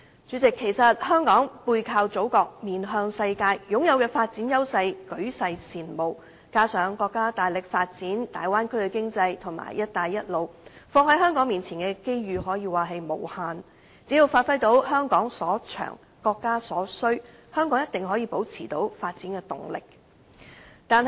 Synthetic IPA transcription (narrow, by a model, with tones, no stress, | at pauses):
t͡syː˨˥t͡sɪ˨kʰːe˨˩jsɐ˨t̚hœː˥ŋkɔː˨˥ŋpuː˧jkʰaː˧wt͡so˨˥wkɔː˧k̚miː˨nɦœː˧ŋsɐ˧jkaː˧jjʊ˨˥ŋjɐ˨˧wkɛː˧faː˧t̚t͡siː˨˥njɐ˥wsɐ˧jkɵ˨˥ɥsɐ˧jsʰiː˨˩nmo˨˩w | kaː˥sœː˨˥ŋkɔː˧kːaː˥t̪aː˨jlɪ˨k̚faː˧t̚t͡siː˨˥nt̪aː˨jwaː˥nkʰɵ˥kɛ˧kɪ˥ŋt͡sɐ˧jt̪ʰʊ˨˩ŋma̰ː˨˩jjɐ˥t̚t̪aː˨jːɐ˥t̚lo˨˩wfɔː˧ŋhɐ˨˥jɦœː˥ŋkɔː˨˥ŋmiː˨nt͡sʰiː˨˩nkɛː˧ke˥jjyː˨˧ɦɔː˨˥jiː˧waː˨˩ɦe˨jmo˨˩whaː˨n | t͡si˨˥jiː˧wfaː˧t̚fɐ˥jt̪o˨˥wɦœː˥ŋkɔː˨˥ŋsɔː˨˥t͡ʃʰœ̰ː˨˩ŋ | kɔː˧kːaː˥sɔː˨˥sɵ˥ɥ | hœː˥ŋkɔː˨˥ŋjɐ˥t̪̚ɪ˨ŋɦɔː˨˥jiː˨˧po˨˥wt͡sʰiː˨˩t̪o˨˥wfaː˧t̚t͡siː˨˥nkɛː˧t̪ʊ̰˨ŋlɪ̰˨k̚ | t̪aː˨n